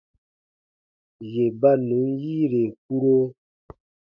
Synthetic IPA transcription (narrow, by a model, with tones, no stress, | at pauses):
je˨ba˦nũ˨˦nji˦ɾe˨k̚u˦ɾo˦